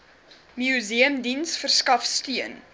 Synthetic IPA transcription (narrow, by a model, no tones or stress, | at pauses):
miuziəmdinsfərskɐfstyən